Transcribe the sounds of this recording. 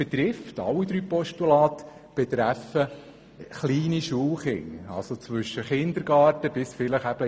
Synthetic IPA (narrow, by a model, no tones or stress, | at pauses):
b̥ɛt̪ɾɪftɑ̰lːid̪ɾyːpɔʃtulɑːt̪ə̥ | b̥ɛt̪ɾæfə | χliːniʃuːlχɪ̰ŋɑ̰lsot͡sʋɵʃəχɪnd̪əɾɡɑːtəb̥ɪsfɪləχæb̥ə